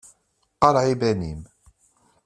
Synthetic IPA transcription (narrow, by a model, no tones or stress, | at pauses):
qɑɾʕibænim